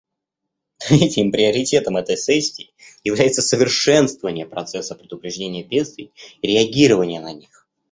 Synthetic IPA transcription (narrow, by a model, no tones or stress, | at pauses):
ɛtʲɪmpɾʲɪəɾʲɪtʲe̞t̪əmɛt̪əjsɛsʲːɪː | jɪvlʲæjɪt̪səsəvʲɪrʂɛnst̪vəvənʲɪjəpɾɐt̪sɛsːəpɾʲɪd̪ʊpɾʲɪʐdʲenʲɪjəbʲest̪vʲɪjiɾʲɪɐɡʲiɾəvənʲɪjənɐnʲix